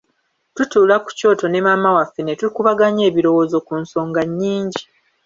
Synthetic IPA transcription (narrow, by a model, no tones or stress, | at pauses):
tutuːlaku̥co̞ːto̞ne̞mamawafːe̞netuikuβaɡaɲe̞ːβiɾo̞wo̞ːzo̞kunso̞ːŋɡaɲːiːɲɟi